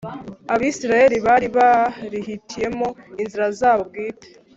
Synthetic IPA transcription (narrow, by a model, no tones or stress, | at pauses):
aβiːsiɾaje̞ɾiβaːɾiβaɾihitʰije̞mo̞inziɾazaːβob̚ɡiːte̥